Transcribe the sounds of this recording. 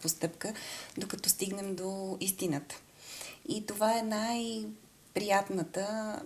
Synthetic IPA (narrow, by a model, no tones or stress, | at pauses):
post̪ɤpkəd̪okɐt̪ɔst̪iɡnɛmd̪oist̪inət̪ə̥ | it̪ovaɛnaj | pɾijat̪nət̪ə